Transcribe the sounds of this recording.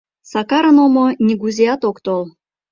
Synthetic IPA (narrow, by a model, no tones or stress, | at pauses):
sɑkɑɾə̆nomonʲiɡuzʲiɑt̪okt̪ol